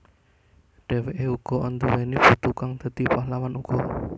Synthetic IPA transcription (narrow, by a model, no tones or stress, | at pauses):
ɖ̥ɛ̤weʔeuɡ̥ɔ̤ʔɔnd̪uwenib̥ut̪ukaŋd̪̥ə̤d̪̥ipaɦlawanuɡ̥ɔ